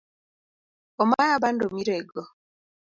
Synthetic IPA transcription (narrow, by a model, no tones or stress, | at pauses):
ɔmajabandomiɾɛɡɔ